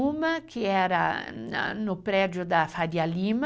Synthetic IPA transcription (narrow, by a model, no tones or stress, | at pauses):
umakʰɪɛɾa̰ | nʊpɾɛd͡ʒʊd̪afad̪jalim